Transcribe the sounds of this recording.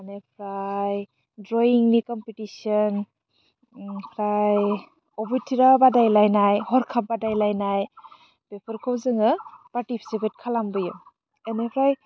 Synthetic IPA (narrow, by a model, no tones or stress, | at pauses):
anepʰɾaj | dɾɔiŋnikɔmpitisɔn | pʰɾaj | ɔbujtʰiɾabadajlajnajhɔɾkʰap̚badajlajnaj | b̥epʰɯɾkʰɔwzɯŋɯpaɾtipʰi̥sipet̚kʰalambɯjɯ | enepʰɾaj